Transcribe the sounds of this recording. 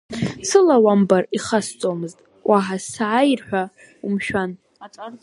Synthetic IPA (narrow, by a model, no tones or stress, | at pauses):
sɨlawambariχast͡sʼomɨztʼ | wʔaħasaʕajrħʷᶣa | umʃᶣanʼ